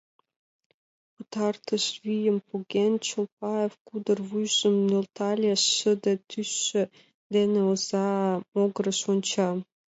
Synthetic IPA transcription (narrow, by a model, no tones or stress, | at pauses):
kut̪ɑrt̪əʃβijəmpuɣent͡ɕolpɑefkud̪ərβujʒəmnølt̪ɑlʲeʃːəd̪et̪ʰysːø̆ | d̪eneozɑmoɣəɾə̆ʃonʲt͡ɕɑ